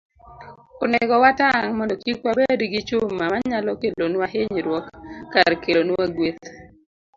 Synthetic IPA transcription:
oneɡɔwataŋmɔndɔkikwabedɡit͡ʃʊmːamaɲalɔkelonwaɦeɲɾwɔkːaɾkelonuwaɡwet̪

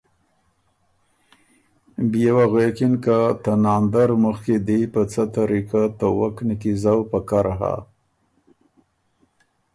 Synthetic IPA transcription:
bijawaɣekinkat̪anɑnd̪aɾməxked̪ejpət͡sat̪aɾikat̪əwaknikizawpəkaɾaɦa̰

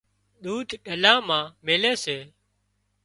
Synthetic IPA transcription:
ɗ̪uːd̪ʱɗəlãːmãːmeːleːseː

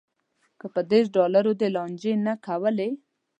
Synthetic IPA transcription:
kəpəd̪es̬ɖɑlaɾod̪elɑnd͡ʒenakawəle

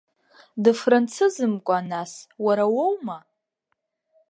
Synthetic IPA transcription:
dɨfrant͡sʰɨzɨmkʷʼaːnaswaɾawowma

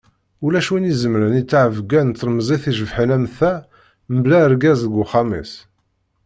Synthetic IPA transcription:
ulæʃwinizəmɾənit͡sːaʕəvɡænt̪ːɾmzˤiθiʒəvħinæmθæ | məblæəɾɡæzðəɡʷʊχɑmḭs

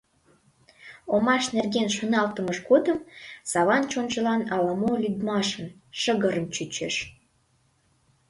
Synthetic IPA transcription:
omɑʃnerɣenʃonɑlt̪əməʃɡod̪əmsɑβɑnt͡ɕont͡ɕəlɑnɑləmolyd̪mɑʃən | ʃəɣəɾəmt͡ɕyt͡ɕeʃ

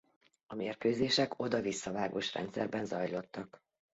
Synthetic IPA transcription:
ɒmeːrkøːzeːʃɛko̞d̪ɒvisːɒvaːɡoːʃrɛ̰nt̪sɛ̰rbɛnzɒjlo̞t̪ːɒk

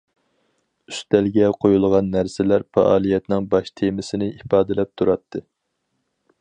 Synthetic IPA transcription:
yst̪ɛlɡʲɛqʰojulˠʁɑnːæɾsɪlæɾfɑ̰ʔɑ̰ːlˠijɛt̪nɪŋbɑʃt̪ʰemɪsɪnɪʔipɑːd̪ɪlɛp̚t̪ʰuɾɑt̪ʰːɨ

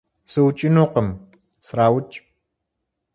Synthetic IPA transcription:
sɨwt͡ʃʼɪnuːqəm | sɾaːwʊt͡ʃʼ

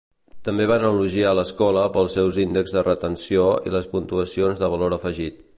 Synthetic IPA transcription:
t̪əmbeβanəluʒialəskɔləpəlˠsɛwzind̪əɡzðərət̪ənsioḭləspunt̪uəsionzðəβ̞əloɾəfəʒit̪

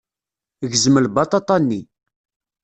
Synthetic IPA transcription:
ʝzəməlbɑt̪ˤɑt̪ˤɑnːi

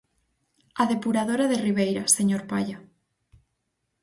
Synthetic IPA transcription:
aðepuɾað̞oɾaðeriβ̞ejɾaseɲoɾpaʎa

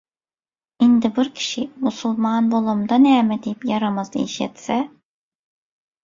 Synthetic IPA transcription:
ind̪ibiɾcʰi̥ʃimusulˠmanbolˠumd̪anɛːmɛd̪ijipjaɾamazḛiʃɛ̰t̪sɛ

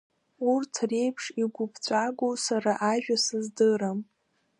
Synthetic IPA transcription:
urtʰre̞jpʰʂiɡʷʊpʰt͡sʷʼaɡʷowsaɾaʔaʒᶣasɨzdɨɾam

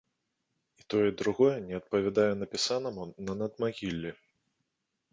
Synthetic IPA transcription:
it̪ɔjɛd̪ɾuɣɔjɛnʲɛɐt̪̚pɐvʲad̪ajɛnɐpʲisanɐmunɐnɐd̪maɣʲilʲːi

